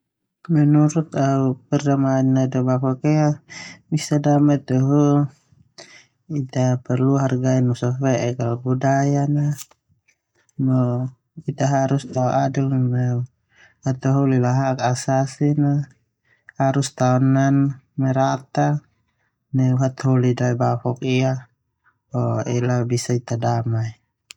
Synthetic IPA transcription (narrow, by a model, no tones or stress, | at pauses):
mɛnuɾut̪̚aupɛrdamainːadabakɔkɛabisadamat̪ɔɦu | it̪apɛrluɦarɡainusɔfɛʔɛkalbudajana | mɔ | it̪aɦaɾust̪aɔʔadilmɛ | hat̪aɦulilaɦakasasina | haɾust̪aɔnanmɛɾat̪a | nɛuɦat̪holidaibafɔkia | ɔɛlabisait̪adamai